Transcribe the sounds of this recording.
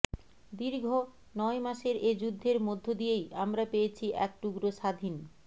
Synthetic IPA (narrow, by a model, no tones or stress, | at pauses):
d̪iɾɡʱo | nɔemaʃeɾed͡ʑud̪ʱːeɾmod̪ʱːod̪ijejamɾapejet͡ɕʰiʔɛk̚ʈuɡɾoʃad̪ʱin